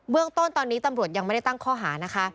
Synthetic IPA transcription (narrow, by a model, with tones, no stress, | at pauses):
bɯ˥˩əŋt̪o˥˩nt̪ɔː˧nːiː˦˥t̪a˧mɾu˨˩ət̪̚ja˧ŋma˥˩da˥jt̪a˥˩ŋkʰɔː˥˩ɦaː˩˦na˦˥kʰa˦˥